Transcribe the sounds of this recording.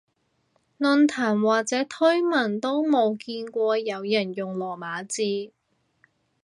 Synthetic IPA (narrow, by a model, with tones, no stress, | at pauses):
nɵ˧nt̪ʰaː˨˩nwaː˨˩k̚t͡sɛː˨˥t̪ʰɵ˥ɥmɐ˨˩nt̪o˥wmo˨˧wkiː˧nkʷɔː˧jɐ˨˧wjɐ˨˩njʊ˨ŋlɔː˨˩maː˨˥t͡siː˧